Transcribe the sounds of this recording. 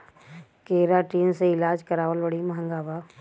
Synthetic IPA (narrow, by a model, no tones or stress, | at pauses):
keːɾaʈiːnseɪlaːd͡ʒkɐɾaːʋəlbɐɽimɐɦə̃ŋɡaːbaː